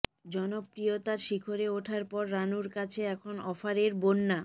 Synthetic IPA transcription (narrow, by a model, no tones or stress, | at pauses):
d͡ʑɔnobɾijot̪aɾʃikʰoɾeoʈʰaɾpɔɾːanuɾkat͡ɕʰeɛkʰonɔfaɾeɾbonːa